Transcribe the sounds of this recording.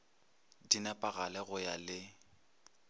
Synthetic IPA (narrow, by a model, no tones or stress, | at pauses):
dinapʼaɣa̰lɛɣʊjalɪ